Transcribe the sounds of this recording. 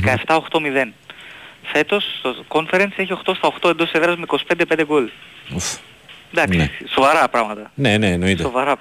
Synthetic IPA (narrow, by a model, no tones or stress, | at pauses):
ekɐeft̪ɐoxt̪o̞miðe̞n | fe̞t̪o̞st̪oko̞nfeɾenseçio̞xt̪o̞st̪ɐoxt̪oe̞nd̪oseðɾɐzmeiko̞si̥pe̞nd̪epnd̪eɡolof | nd̪ɐksesiso̞vɐɾɐpɾɐɣmɐt̪ɐneneːnoiseovɐɾɐ